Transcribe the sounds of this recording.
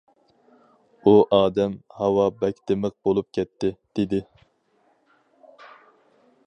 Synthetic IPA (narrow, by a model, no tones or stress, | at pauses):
uʔɑːd̪ɛmhɑwɑbɛkʲt̪ɪmɨq̚bolˠup̚kʲʰɛt̪ʰːɪd̪̥ed̪ɪ